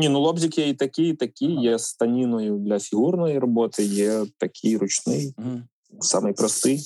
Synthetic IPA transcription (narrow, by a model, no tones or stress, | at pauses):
nʲinulˠɔbzʲɪkjɛit̪ɐkʲijit̪ɐkʲijjɛst̪ɐnʲinɔjʊd̪lʲɐfʲiɣurnɔjirɐbɔt̪ɪjɛt̪ɐkʲʰijrʊt͡ʃnɪj | sa̰mɨjpɾɐst̪ɪj